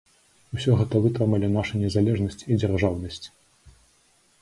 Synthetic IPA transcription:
usʲɔɣɛt̪ɐvɨt̪ɾɛmɐlʲɛnaʂɐnʲɛzalʲɛʐnɐsʲt͡sʲid͡zʲarʐawnɐsʲt͡sʲ

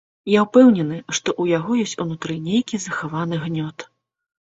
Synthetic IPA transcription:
jawpɛwnʲɛnɨʂt̪ɔʔujaɣɔjɔsʲt͡sʲunut̪ɾɨnʲejkʲizɐxavan̪ɨɣnʲɔt̪

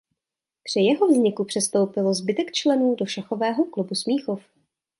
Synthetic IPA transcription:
pr̥ɪjɛɦovzɲɪkupr̥ɛst̪owpɪlozbɪt̪ɛkt͡ʃlɛnuːdo̞ʃaxovɛːɦo̞klubusmiːxof

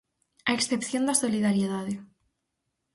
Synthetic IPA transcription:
aeksθepθjond̪asoliðaɾjeðaðe

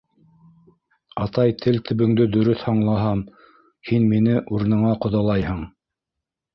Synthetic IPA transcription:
ɑt̪ɑjt̪ʰɘlt̪ʰɵ̆βɘ̆ŋd̪ɵd̪ɵ̆ɾɵθhɑɴlˠɑɦɑm | hinminɘʔuɾɤ̆nɤ̆ɴɑqŏðɑlˠɑjhɤɴ

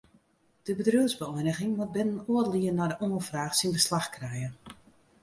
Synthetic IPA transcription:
d̥əbədryəzbəɔjnəɣɪŋmot̚bɪnənoətliənadəʔoːənfraːxsinbəslaxkrɛjə

